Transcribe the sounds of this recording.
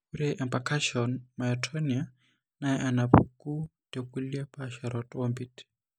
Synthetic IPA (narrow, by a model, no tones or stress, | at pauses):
uɾɛʔɛmpakʰaʃiɔnmaitʰonia | naɛʔanapukutekuliapʼaʃaɾɔtʼɔmbit